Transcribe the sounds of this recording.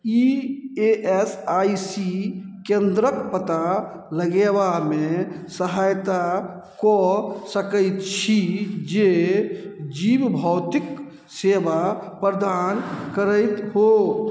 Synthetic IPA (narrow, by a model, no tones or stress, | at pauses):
ieʔesaisikend̪ɾəkpət̪a | ləɡeʋamesəɦajt̪a | kɔsəkəɪt̪t͡ʃʰid͡ʒe | d͡ʒibbʱəwt̪ik | sebapɾəd̪ankəɾəjt̪ɦo